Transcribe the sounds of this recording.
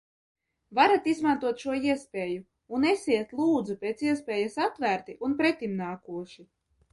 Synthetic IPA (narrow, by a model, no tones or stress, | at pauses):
vaɾat̪izmant̪uɔt̪ʃuɔiɛspʲeːju | unesiɛt̪lˠuːd̪zupʲeːt̪siɛspʲɛːjasat̪væːɾt̪iʔunpɾɛt̪ːimnaːkuɔʃi